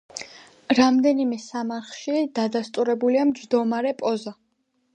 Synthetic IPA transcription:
ɾamd̪ɛnimɛsamaɾχʃid̪̥ad̪ast̪ʼuɾɛbuliamd͡ʒd̪ɔmaɾɛpʼɔza

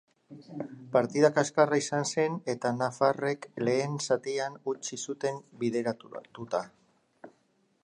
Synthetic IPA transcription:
paɾt̪iðakaskaraisanse̞ne̞t̪anafare̞kle̞ːnsat̪ianut͡ʃisut̪e̞mbiðeɾat̪ut̪a

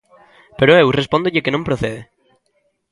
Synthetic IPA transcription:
peɾoewrespond̪oʎekenõmpɾoθeðe

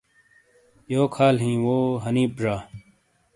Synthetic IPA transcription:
joːkʰaːlɦĩːwoːɦəniːpʐaː

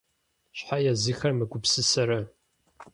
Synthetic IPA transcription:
ɕħajazɨxɐrmɨɡʷʊpsɨsɐɾɐ

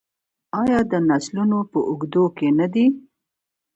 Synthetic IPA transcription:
ɑjɑd̪ənaslunopəʔʊɡd̪okenad̪i

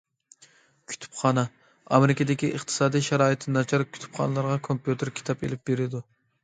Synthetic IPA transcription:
kʲʰy̥t̪ʰy̥pχɑːnɛ | ɑmeɾɪkʲɪd̪ɪkʲiʔəχt̪ʰɨ̥sɑːd̪ijʃæɾɑːit̪ʰnɑt͡ʃʰɑɾkʲʰy̥t̪ʰy̥pχɑ̰nɨlˠɑɾʁɑkʰompjut̪eɾkʲʰi̥t̪ʰɑpḛlɪp̚beɾɪd̪u

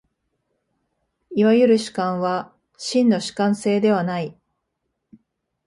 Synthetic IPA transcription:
iβajɯ̟ɾɯ̟ɕi̥kãɰ̃βa | ɕĩnːo̞ɕi̥kãɰ̃se̞ːd̪e̞βanai

